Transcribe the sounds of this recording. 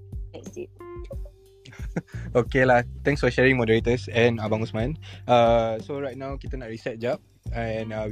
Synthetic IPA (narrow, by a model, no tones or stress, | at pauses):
ɛsi | okelat̪ɛ̃ŋksfɔʃɛɹĩŋmɔdəɹet̪əsɛ̃nabãŋusmãnasoɹajt̚nãwkit̪anaʔɹisɛt̚d͡ʒap̚ | ɛ̃na